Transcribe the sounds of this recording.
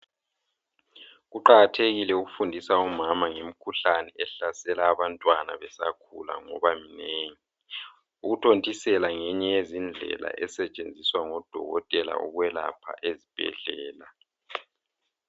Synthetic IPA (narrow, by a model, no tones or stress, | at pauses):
ɣuǃaɣatʰeɣilɛuɣufundʱisaumamaŋem̩kʰuɬanɛɛɬasɛlaːβantʼwana̰βɛsakʰula̰ŋɔβamineːŋi | uɣutʰontʼisɛlaŋɛɲɛjezind͡ɮʱɛ̰la̰ʔɛsɛt͡ʃʼend͡zʱiswaŋɔd̥ʱɔ̰ɣɔtʼɛla̰ɔ̰ɣwɛla̰pʰa̰ʔezib̥ʱɛ̰ɮɛːla